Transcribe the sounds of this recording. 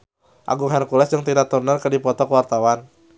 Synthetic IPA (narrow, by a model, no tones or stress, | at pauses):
ʔa̰ɡuŋɦankulɛsdəŋt̪idat̪urnərkədipɔt̪ɔkəwart̪awan